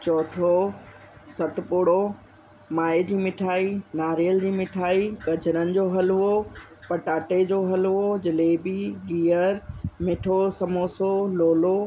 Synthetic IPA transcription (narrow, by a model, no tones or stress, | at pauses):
t͡ɕɔːʈ̪ʰo | sɐt̪ʊpʊɽo | maːed͡ʑiːmɪʈʰaːinaːɾjəld͡ʑiːmɪʈʰaːiɡɐd͡ʑʱəɾənɪ̆d͡ʑoɦɐluo | pɐʈaːʈed͡ʑoɦɐlɦuod͡ʑɪlebiɡiːəɾmɪʈʰosɐmoːsoloːlo